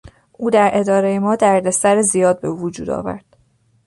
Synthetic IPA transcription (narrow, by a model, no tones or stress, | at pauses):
ʔuːd̪æɾʔe̞d̪ɒːɾejemɒːd̪æɾd̪esæɾezijɒːd̪̚be̞uvod͡ʒṵːd̪ɒ̰ːvæ̰ɾd̪̥